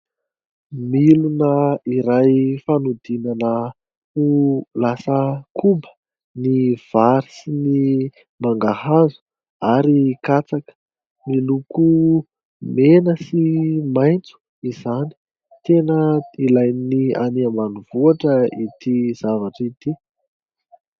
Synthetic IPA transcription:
milunəiɾajfanud̪inanə | ulasəkʰumbə̥ | niv̥aɾisini | maŋɡahazu̥ | aɾikat͡sakə̥ | miluku | menəsimajnt͡su̥ | izani̥ | t̪enəilajnia̰niamanuv̥uaʈ͡ʂəit̪iz̥avaʈ͡ʂit̪i

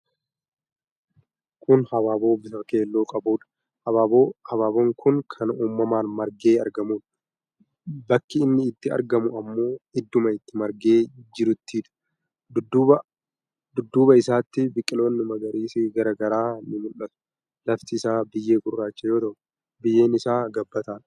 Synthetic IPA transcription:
kʰʊnhɐbaboːbɪsɐke̞ːlːoːkʼɐbuːᶑɐ̥ | hɐbaːbohɐbaːboŋkʰʊŋkʰɐnuːmːɐmaːnmɐɾɡe̞ːɐ̰ɾɡɐmuːᶑ | bɐkːɪɪnːɪːt̪ːɪɐ̰ɾɡɐmʊɐmːo̞ːɪd̪ːʊmɐɪt̪ːɪmɐɾɡe̞ːd͡ʒɪɾʊt̪ːiᶑ̪ʊ̥ | d̪ʊd̪bɐ | d̪ʊd̪ːuːbɐɪsaːt̪ːɪbɪkʼːɪlo̞ːnːɪmɐɡɐɾiːsɪɡɐɾɐɡɐɾaːnːɪmʊlːɐt̪ʊ̥ | lɐft̪ɪːsaːbɪjːeːkʊrːaːt͡ʃːɐjo̞ːt̪ɐʔʊ | bɪjːe̞ːnɪsaːɡɐbːɐt̪aːn

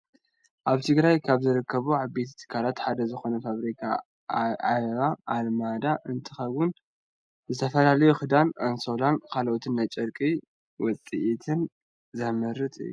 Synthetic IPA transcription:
ʔaβt̪ʰɨɡɾajkʰaβzɨɾɨkʰːɐβuʕaβbet̪ʰit̪ʰɨ̥kʰːalat̪ħad̪ɐzɨxo̞nɐfaβɾikʰa̰ | aʔalmad̪aʔɨnt̪ʰɨxɐwʊn | zɨt̪ʰɐfɐlalɐjuxɨd̪anansolankʰalʔot̪ʰɨnːajt͡ʃʼɐɾkʼi | wɔt͡sʼiʔit̪ʰɨn | zɐmɨɾːɨt̪ʼɨ̰jːu

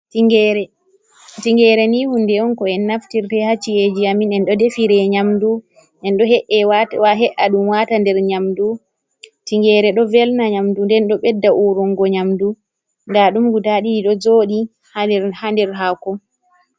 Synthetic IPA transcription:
tiŋɡɛɾɛ | tiŋɡɛɾɛnihundɛɔnkɔɛnːaftiɾtɛhat͡ʃːied͡ʒiaminɛnɗɔdefiɾɛɲamdu | ʔɛnɗɔhɛʔɛwawaɦɛʔaɗumwatandɛɾɲamdu | tiŋɡɛɾɛɗɔvɛlnaɲamdundɛnɗɔɓɛdːaʔuɾɔŋɡɔɲamdu | ndaɗumɡutaɗiɗiɗɔd͡ʒoɗi | handɛɾɦakɔ

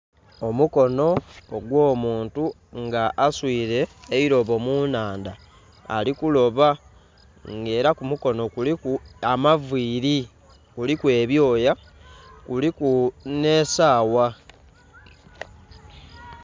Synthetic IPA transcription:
omuko̞no̞ːɡwo̞ːmuːntu | ŋɡaʔːswiːɾe̞ːiɾo̞βo̞munaːnda̰ː | likulo̞βa | ŋɡe̞ːɾakumuko̞no̞kulikuamaviːɾi | kulikwe̞ːβjo̞ːja | kulikune̞ːsaːwa

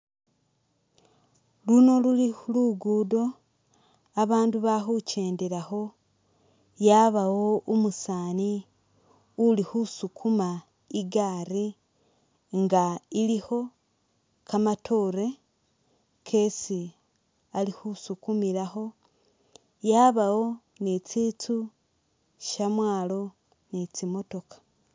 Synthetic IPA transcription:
luno̞luliuluɡuːdo̞ | aβaːnduβaxuce̞ːndeɾaxo̞ | jaːβawoomusaːni | ulixusukʰuma | iɡaːɾi | ŋɡailiho̞ | kamatʰoːɾe | kʰe̞si | alihusukumiɾaho̞ | jaːβawo̞ | net͡siːt͡su | ʃamwaːlo̞ | net͡simo̞to̞kḁ

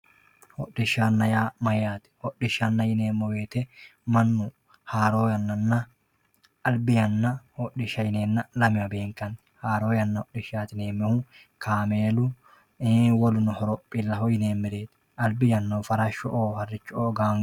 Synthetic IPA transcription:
hɔɗɪʃanːɐjaːmɐjːaːt̪ɪ̥hɔɗɪʃɐnːɐjɪneːmːɔweːt̪ɛmɐnːʊ | haːɾoːjɐnːɐnːɐ | ɐlbɪjɐnːɐhɔɗɪʃɐjɪneːnːɐlɐmɪɐbeːŋkɐn | haːɾoːjɐnːɐhɔɗɪʃaːt̪ɪneːmːɛhu | kʰaːmeːlʊ | wɔlʊnʊhɔɾɔpʼːɪlːɐɦɔjɪneːmmɪɾeːt̪ | ɐlbɪjɐnːɐfɐɾɐʃʊʔoːhɐrːɪt͡ʃːʊoːɡaːŋ

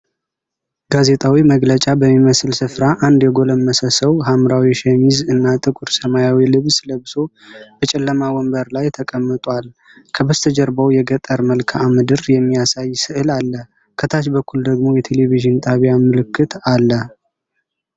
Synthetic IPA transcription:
ɡ̥aze̞t̪ʼawiməɡlət͡ʃʼabəmːiməsɨlsɨfɾaʔand̪jɛɡo̞ləmːəsəsəwɦamɾawiʃɛmizɨnːat̪ʼɨkʼʊɾsəmajawilɨβsləβɨso̞ | b̥ət͡ʃʼɛlːəmawɔmbəɾlajt̪ʰəkʼəmːɨt̪ʼʷal | kʰəbəst̪ʰəd͡ʒɛɾbawjɛɡət̪ʼːəɾməlkʰaamɨd̪ɨɾjɛmːijasajsɨʔɨlalːə | kʰət̪ʰaʃbəkʰːuld̪əɡmo̞jɛt̪ʰe̞leviʒɨnt̪ʼaβjamɨlɨkːɨt̪ʰalːə

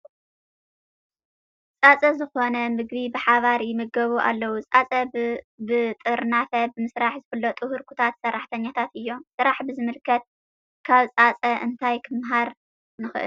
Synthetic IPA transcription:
t͡sʼat͡sʼɐzɨxo̞nɐmɨɡβibɨħaβaɾjɪmɨɡɐβuʔa̰lːɐwut͡sʼat͡sʼɐ | bɨt̪ʼɨɾnafɐbɨmɨsɾaħzɨfɨlːot̪ʼɨhuɾkʰut̪ʰat̪sɐrːaħt̪ʰɐɲːat̪ʰat̪ɨjːo̞msɨɾaħbɨzɨmɨlkʰːɐt̪̚ | kʰaβt͡sʼat͡sʼɐʔɨnt̪ʰajkʰɨmɦaɾ | nɨxɨʔɨ̰l

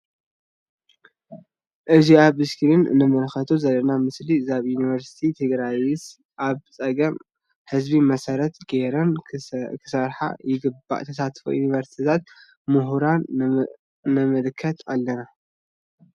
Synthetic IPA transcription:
ʔɨziaβɨskʰiɾɨnɨ̰nɨmɨlxɐt̪ʰuzɐlːɐnamɨslizaβjunivɐɾsi̥t̪ʰit̪ʰɨɡɾajɪs | ʔaβt͡sʼɐɡɐm | ħɨzbimɐsɐɾɐt̪ɡeɾɐnkʰɨ̥sɐɾħa̰jɪɡɨba̰ʔt̪ʰɐsat̪fṵjunivɐɾsi̥t̪ʰit̪ʰat̪̚ | mɨɦuɾanː | ɨmɨlkʰːɐt̪ʰalːɐna

